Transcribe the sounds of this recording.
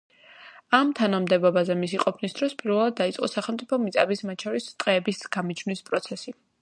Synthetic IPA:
amt̪ʰanamd̪ɛbɔbazɛmisiqʼɔpʰnisd̪ɾɔspʼiɾvɛlˠad̪̚ːait̪sʼqʼɔ̰saχɛlˠmt̪sʼipʰɔmit̪sʼabismat̪t͡ʃʰɔɾist̪ʼqʼɛːbisɡ̥amid͡ʒʰnwispʼɾɔt̪sʰɛsi

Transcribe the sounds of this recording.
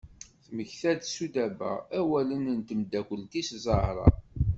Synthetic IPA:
θməçθæd̪sud̪æbæ̰æwælənnt̪əmd̪ækʷəlt̪iszˤəhɾˤɑ̰

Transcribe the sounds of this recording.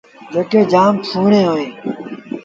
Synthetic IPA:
d͡ʒeːkeːd͡ʒaːmpʰuːɳeːɦoːẽː

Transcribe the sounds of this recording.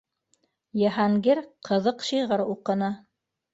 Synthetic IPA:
jɤ̆ɦɑŋɡiɾqʰɤ̆ðɤqʃijʁɤɾuqɤ̆nɤ

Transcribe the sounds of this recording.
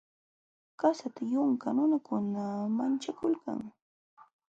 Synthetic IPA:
kasat̪ajʊŋkanʊnakʊnamant͡ʃakʊlka̰ŋ

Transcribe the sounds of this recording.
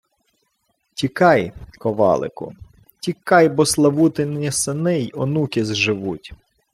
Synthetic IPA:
tʲikɑjkɔʋɑ̰lˠɪ̰kʊ̰ | tʲikɑjbɔslˠɐʋut̪ɪnʲisɪnɪjɔnukʲɪzʒɪʋutʲ

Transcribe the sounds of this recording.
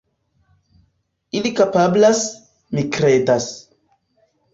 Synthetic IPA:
ilikapablas | mikɾedas

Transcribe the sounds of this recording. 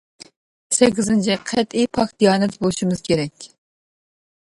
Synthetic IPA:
sɛkʲːɪzɪnt͡ʃʰɛqʰɛt̪ijpʰɑkd̪ijɑːnɛt̪bolˠuʃimɨz̥kʲʰeɾɛkʲ

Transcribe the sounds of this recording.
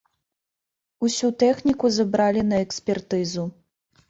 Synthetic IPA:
usʲut̪ɛxnʲikuzɐbɾalʲinɐɛksʲpʲɛrt̪ɨzu

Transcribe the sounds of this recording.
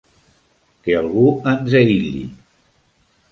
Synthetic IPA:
kealˠɣuənzeiʎḭ

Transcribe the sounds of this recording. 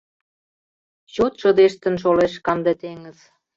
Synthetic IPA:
ɕot̪ʃə̆d̪eʃt̪ə̆nʃ̬oleʃkɑmd̪et̪eŋə̆z̥

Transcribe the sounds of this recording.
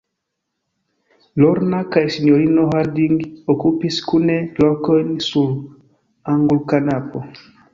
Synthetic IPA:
lɔɾnakajsiɲɔɾinɔɦaɾdiŋɡiokupiskunɛlɔkɔnsul | aŋɡulkanapɔ

